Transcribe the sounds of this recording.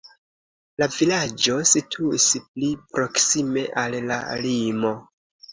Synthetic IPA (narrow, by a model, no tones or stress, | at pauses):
lavilad͡ʒo̞sitʰuisplipɾo̞ksime̞ʔalːa̰limo̞